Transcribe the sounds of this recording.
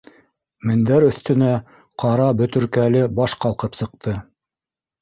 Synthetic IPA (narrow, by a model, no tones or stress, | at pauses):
mɘ̆nd̪æɾɵ̆θt̪ɵ̆næ | qʰɑɾɑbɵ̆t̪ɵ̆ɾkælɘbɑʃqɑlˠqɤpsɤ̆q̚t̪ʰɤ